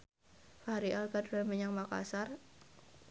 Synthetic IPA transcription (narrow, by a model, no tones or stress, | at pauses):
faɾiʔalɡaduɾaməɲaŋmaka̰sar